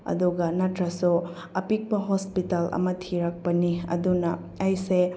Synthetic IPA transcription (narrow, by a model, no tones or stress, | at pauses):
ɐ̰d̪uɡɐnɐtɾɐsu | ɐpik̚pɐɦospitɐlɐ̰mɐtʰiɾɐk̚pɐniɐ̰dunɐ | ɐjse